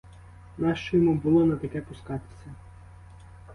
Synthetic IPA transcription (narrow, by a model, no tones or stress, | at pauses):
nɑʃt͡ʃɔjɔmubʊlˠɔnɐt̪ɐkɛpʊskɑt̪ɪ̥sʲɐ